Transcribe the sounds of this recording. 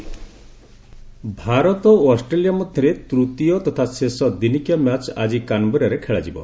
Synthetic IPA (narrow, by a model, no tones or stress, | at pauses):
bʱaɾɔt̪ɔɔsʈɾelijamɔd̪ʱjɔɾet̪ɾut̪ijɔt̪ɔt̪ʰasesɔd̪inikijɔmjat͡ʃa̰d͡ʒikanbuɾjaɾekʰeɭad͡ʒibɔ̰